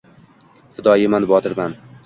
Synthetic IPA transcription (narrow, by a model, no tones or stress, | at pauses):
fɪd̪ɒjɪmanbɒt̪ʰɪɾman